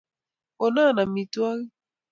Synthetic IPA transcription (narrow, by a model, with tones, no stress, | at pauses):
o˨na˦˨na˨mi˨twa˦li˦